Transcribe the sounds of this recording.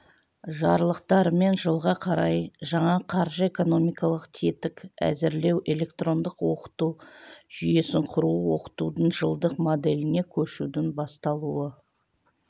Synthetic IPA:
ʒɑɾlˠəq̚t̪ɑɾme̞nʒəlˠʁɑqʰɑɾɑjʒɑɴɑqʰɑɾʒəe̞ko̞no̞mijkɑlˠəqt̪ʰet̪ɪkæ̰zɪɾle̞wʔe̞le̞kt̪ro̞nd̪əqwo̞qə̥t̪uʒ̥ʏje̞sɪɴqʰʊɾuwo̞qə̥t̪ud̪əɴʒəlˠd̪əqmo̞d̪e̞lɪne̞kʲʰɵʃud̪ɪnbɑst̪ɑlˠuə

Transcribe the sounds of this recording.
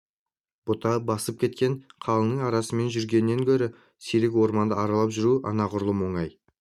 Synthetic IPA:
b̥ʊt̪ɑbɑsəp̚kʲʰe̞t̪̚kʲe̞nqʰɑlˠənəɴɑɾɑsəme̞nʒʏɾɡʲe̞nɪːe̞ŋkʲʰɵɾɪ | seɾɪkʲwo̞ɾmɑnd̪əɑɾɑlˠɑpʒʏɾuʔɑ̰nɑqʰʊɾlˠəmo̞ɴɑj

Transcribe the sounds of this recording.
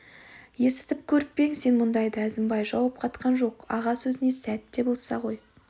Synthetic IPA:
je̞sɪ̥t̪ɪp̚kʲʰɵɾɪk̚pe̞ŋse̞nmʊnd̪ɑjd̪əæzɪmbɑjʒɑwɑp̚qʰɑt̪qʰɑnʒo̞qɑ̰ʁɑsɵzɪne̞sæt̪ːe̞bolˠsɑʁo̞j

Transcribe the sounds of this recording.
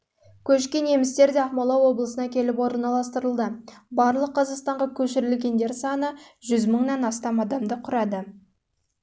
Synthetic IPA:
kʲʰɵʃkʲe̞ne̞mɪst̪e̞ɾd̪eɑχmolˠɑwo̞blˠəsənɑkʲʰe̞lɪpwo̞ɾnɑlˠɑs̬t̪əɾəlˠd̪əbɑɾlˠəqʰːɑzɑqst̪ɑɴʁɑkʲʰɵʃɪɾɪlɡʲe̞nd̪e̞ɾsɑnəʒʏzməɴnɑnɑst̪ɑmɑd̪ɑmd̪əqʰʊɾɑd̪ə

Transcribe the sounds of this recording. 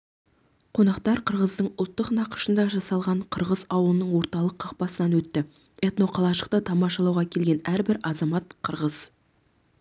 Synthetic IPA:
qʰo̞nɑqt̪ɑɾqʰəɾʁəzd̪əɴʊlˠt̪ːəqnɑqə̥ʃənd̪ɑʒɑsɑlˠʁɑɴqʰəɾʁəzɑwəlˠənəɴwo̞ɾt̪ɑlˠəqʰːɑq̚pɑsənɑnwɵt̪ːɪ | e̞t̪no̞qʰɑlˠɑʃəq̚t̪ət̪ʰɑmɑʃɑlˠɑwʁɑkʲʰe̞lɡʲe̞næɾbɪɾɑzɑmɑt̪qʰəɾʁəz

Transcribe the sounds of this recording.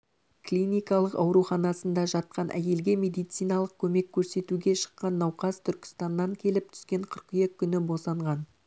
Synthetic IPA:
klʲinijkɑlˠəqɑ̰wɾuχɑnɑsənd̪ɑʒɑt̪̚qɑnʔæ̰je̞lɡʲe̞me̞d̪ijt̪s̪ijnɑlˠəq̚kʲʰɵme̞kʲʰːɵɾse̞t̪uɡʲe̞ʃə̥qːɑnːɑwqɑzt̪ʰʏɾkʲɪ̥st̪ɑnːɑŋkʲʰe̞lɪp̚t̪ʰʏ̥skʲe̞ɴqʰəɾqyjekʲʰːʏnɪbo̞sɑɴʁɑn

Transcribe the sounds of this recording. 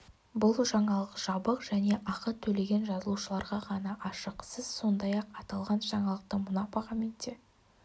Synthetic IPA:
bʊlˠʒɑɴɑlˠəqʒ̥ɑbəqʒ̥æne̞ʔɑqət̪ʰɵle̞ɡʲe̞nʒɑzəlˠuʃəlˠɑɾʁɑʁɑnɑʔɑʃəqsəz̥so̞nd̪ɑjɑqɑt̪ɑlˠʁɑnʒɑɴɑlˠəq̚t̪əmʊnɑpɑʁɑment̪e

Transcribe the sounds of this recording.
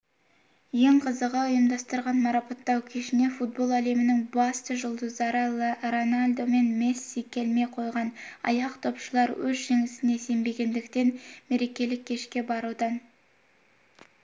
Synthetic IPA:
je̞ɴqʰəzəʁɑʊjəmd̪ɑst̪əɾʁɑnmɑɾɑpɑt̪ːɑwkʲʰe̞ʃɪne̞fut̪̚bo̞lˠæle̞mɪnɪŋbɑst̪əʒʊlˠd̪əzd̪ɑɾɑlˠɾo̞nalʲd̪o̞me̞nme̞sːikʲe̞lme̞qʰo̞jʁɑnɑ̰jɑqt̪ʰo̞pʃəlˠɑɾwɵzʒe̞ŋɪsɪne̞se̞mbe̞ɡʲe̞nd̪ɪkt̪e̞nme̞ɾe̞kʲe̞lɪkʲʰːe̞ʃkʲe̞bɑɾud̪ɑn

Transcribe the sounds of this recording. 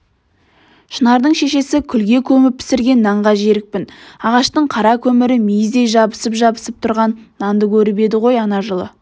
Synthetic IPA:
ʃənɑɾd̪əɴʃe̞ʃe̞sɪkʲʰʏlɡʲe̞kʲʰɵmɪp̚pʰɪ̥sɪɾɡʲe̞nːɑɴʁɑʒeɾɪk̚pɪnɑʁɑʃt̪əɴqʰɑɾɑkʲʰɵmɪɾɪmijɪzd̪e̞jʒɑbəsəpʒɑbəsəp̚t̪ʰʊɾʁɑnːɑnd̪əkʲʰɵɾɪbe̞d̪ɪʁo̞jɑnɑʒəlˠə̰

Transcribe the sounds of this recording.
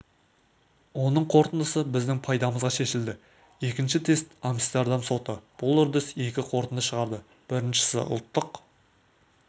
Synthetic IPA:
wo̞nəɴqʰo̞ɾt̪ənd̪əsəbɪzd̪ɪŋpʰɑjd̪ɑməzʁɑʃe̞ʃɪld̪ɪ | e̞kʲɪnʃɪt̪ʰe̞st̪ɑmst̪ɑɾd̪ɑmso̞t̪əb̥ʊlˠʏɾd̪ɪse̞kʲɪqʰo̞ɾt̪ənd̪əsʃəʁɑɾd̪ə | b̥ɪɾɪnʃɪ̥sɪ̰ʔʊ̰lˠt̪ːəq

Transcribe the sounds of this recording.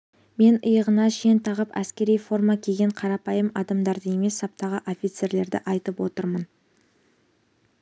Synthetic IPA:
me̞nəjəʁənɑʃent̪ʰɑʁəpæ̰skʲe̞ɾijfo̞rmɑkʲʰe̞ɡʲe̞ɴqʰɑɾɑpɑjəmɑd̪ɑmd̪ɑɾd̪əe̞me̞sːɑp̚t̪ɑʁəʔo̞fʲit̪se̞ɾle̞ɾd̪ɪʔɑjt̪əpwo̞t̪əɾmən

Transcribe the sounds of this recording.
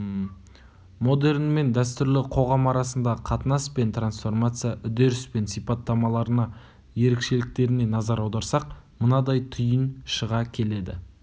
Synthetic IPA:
mo̞d̪e̞rnme̞nd̪æst̪ʏɾlɪqʰo̞ʁɑmɑɾɑsənd̪ɑqʰɑt̪ənɑspe̞nt̪ransfo̞rmat̪sɨjaʔʏd̪e̞ɾɪspe̞nsijpɑt̪ːɑmɑlˠɑɾənɑ | je̞ɾekʃe̞lɪk̚t̪e̞ɾɪne̞nɑzɑɾɑwd̪ɑɾsɑqmənɑd̪ɑjt̪ʰʏjənʃəʁɑkʲʰe̞le̞d̪ɪ̰

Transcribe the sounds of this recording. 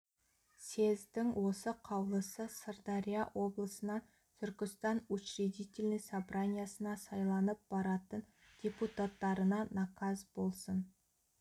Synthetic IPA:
se̞zd̪ɪŋwo̞səqʰɑwlˠəsəsərd̪ɑɾʲijawʔo̞blˠəsənɑ | t̪ʰʏɾkʲɪst̪ɑnut͡ʃɾed̪it̪ʲe̞lʲnəsɑbɾanʲijasənɑsɑjlˠɑnəp̚b̥ɑɾɑt̪ən | d̪̥ʲeput̪at̪ːɑɾənɑnɑkʰɑzbo̞lˠsən

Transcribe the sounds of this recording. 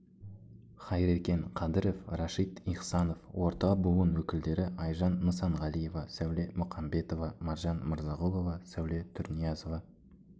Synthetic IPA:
χɑjɾekʲe̞ɴqʰɑd̪ɪɾo̞frɑʃijt̪ijqsɑno̞fwʔo̞ɾt̪ɑbuwənwɵkʲɪld̪e̞ɾɪʔɑjʒɑnːəsɑɴʁɑlˠije̞vɑsæwle̞mʊqɑmbe̞t̪o̞vɑmɑɾʒɑnməɾzɑʁolˠo̞vɑsæwle̞t̪ʰʊɾnijɑzo̞vɑ

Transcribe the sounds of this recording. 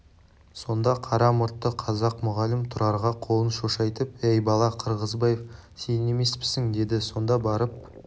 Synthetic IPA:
so̞nd̪ɑqʰɑɾɑmʊɾt̪ːəqʰɑzɑqmʊʁɑlɪmt̪ʰʊɾɑɾʁɑqʰo̞lˠənʃoʃɑjt̪əp̚ejbɑlˠɑqʰəɾʁəzbɑje̞f | se̞ne̞me̞spɪ̥sɪŋd̪e̞d̪ɪso̞nd̪ɑbɑɾəp̚

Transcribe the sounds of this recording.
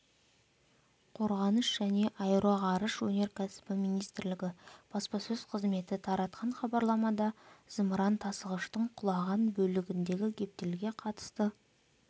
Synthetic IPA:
qʰo̞ɾʁɑnəʃʒæne̞ʔɑjɾɑʁɑɾəʃwɵne̞ɾkʲʰæsɪ̥pɪmijnijst̪ɪɾlɪɡʲɪb̥ɑspɑsɵz̥qʰəzme̞t̪ɪt̪ʰɑɾɑt̪qʰɑɴχɑbɑɾlˠɑmɑd̪ɑz̥əmɾɑnt̪ʰɑsəʁəʃt̪əɴqʰʊlˠɑʁɑnbɵlɪɡʲɪnd̪e̞ɡʲɪkʲʰe̞p̚t̪elɡʲe̞qʰɑt̪ə̥st̪ə

